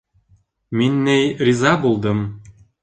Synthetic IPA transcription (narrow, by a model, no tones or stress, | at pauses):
minʲːejrʲizɑbulˠd̪ɤ̆m